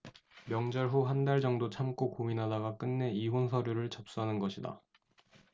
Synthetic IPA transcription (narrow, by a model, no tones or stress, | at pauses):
mjʌŋd͡ʑʌɭɸuɦandaɭd͡ʑʌŋdot͡ɕʰamk͈okominɦadaɡak͈ɯnːe̞iɦonsʰʌɾjuɾɯɭt͡ɕʌp̚s͈uɦanɯnɡʌɕʰida̰